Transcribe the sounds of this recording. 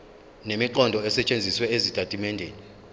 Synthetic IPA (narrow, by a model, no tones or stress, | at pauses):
nemiǃɔndʱɔɛsɛt͡ʃʼend͡zʱiswɛezitʼatʼimɛndʱeːni